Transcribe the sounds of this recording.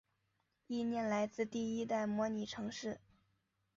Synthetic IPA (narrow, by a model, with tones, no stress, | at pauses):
i˥˧njɛ˥˩nla˧˥ɪt͡sɹ̩˥˧t̪i˥˩i˥t̪a˥˩ɪmwɔ˧˥ni˨˩ʈ͡ʂʰɤ˧˥ŋʂɻ̩˥˩